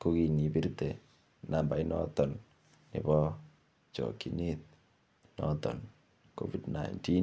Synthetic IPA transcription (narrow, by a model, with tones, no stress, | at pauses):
ku˦ki˨ni˨bi˦ɾt̪e˨ | na˨mba˨i˦nɔ̰t̪ɔ˨nː | ɪ̰˨bɔ˦ | t͡ʃɔ̰˨ki˨ni˦t̪̚ | nɔ̰t̪ɔ̰˨n | ko̰vidnaḭnti˦